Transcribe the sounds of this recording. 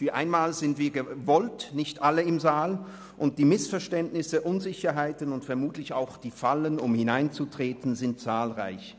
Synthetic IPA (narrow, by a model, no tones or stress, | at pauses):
fyːɐʔa̰ɪnmaːlzɪntv̥iːɐɡəvɔltnɪçtʔaləɪmzaːl | ʔʊnt̚d̥iːmɪsfɛɐʃtɛntnɪsəʔʊnzɪçɐɦaɪtənʊntfɛɐmuːtlɪça̰ʊxd̥iːfalənʊmhɪnaɪnt͡sutʁ̥eːtn̩zɪntt͡saːlʁa̰ɪç